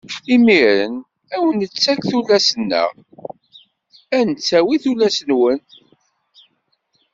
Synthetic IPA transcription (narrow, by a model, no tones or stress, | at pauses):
imiɾə̰n | æwənət͡sːækθulːæsənːə̰ʁ | ænət͡sːæwiθulːæsənwən